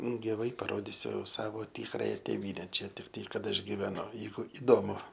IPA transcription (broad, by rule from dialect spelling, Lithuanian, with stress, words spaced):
ɡʲɪˈʋɐɪ pɐˈroːdʲɪsʲʊ ˈsɑːʋoː ˈtʲɪkrɐjɛ tʲeːˈʋʲiːnʲɛ ˈt͡ʃʲɛ tʲɪkˈtɐɪ ˈkɐt ˈɐʃ ɡʲɪʋʲɛˈnʊ ˈjɛɪɡʊ ɪˈdoːmʊ